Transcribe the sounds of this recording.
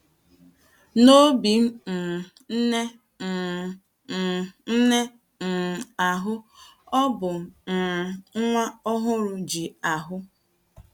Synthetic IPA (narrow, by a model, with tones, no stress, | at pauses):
no˦bi˨m̩˦n̩˨ | n̩˦ne˦ | n̩˨ | n̩˦ne˦ | n̩˨a˨ɦʊ˦ɔ˦bʊ˨ | ŋ̩˦ŋʷa˦ɔ˦ɦʊ˦ɾʊ˨d͡ʒi˨a˨ɦʊ˦